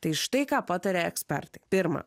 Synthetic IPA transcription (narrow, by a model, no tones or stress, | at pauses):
t̪ɐjʃt̪ɛjkaːpat̪ɐɾʲeːɛksʲpʲɛ̰ɾt̪ʲɪ̥pʲiɾma̰ː